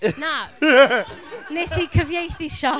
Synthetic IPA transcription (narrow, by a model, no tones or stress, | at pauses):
na | nesikʰəvjejθiʃɔ